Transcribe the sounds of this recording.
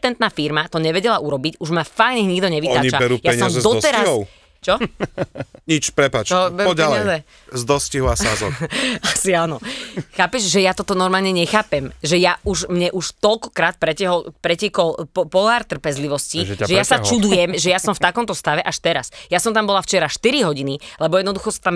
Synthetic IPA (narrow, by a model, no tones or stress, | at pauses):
t̪ɛnt̪naːfiɾmat̪ɔɲɛʋɛɟɛlaʔuɾɔbicuʒmafajɲɛɲiɡd̪ɔɲɛʋit̪aːit͡ʃabɛɾujaɛɲsɪɔamzɛzd̪ɔɔt̪ɛɾaɦɔ | t͡ʃɔ | ɲit͡ʃpɾɛpaːt͡ʃɔbɛɾɔɟalɪazɛ | zd̪ɔsciɦɔasazɔ̰asiaːnɔxaːpɛʃʒɛjat̪ɔt̪ɔnɔɾmaːlɲɛɲɛxaːpɛmʒɛjauʒmɲɛʔuʃt̪ɔlkɔ̥kɾaːt̪̚pɾɛcɛɦɔlpɾɛcɛkɔlpɔɦaːɾt̪r̩pɛzliʋɔsciʒʒɛjasat͡ʃud̪ujɛmʒɛjastɔmft̪akɔmt̪ɔst̪aʋɛʔaʃt̪ɛɾasjasɔmt̪ambɔlaft͡ʃɛɾaʃt̪iɾiɦɔɟinilɛbɔjɛd̪nɔd̪uxɔsḁt̪am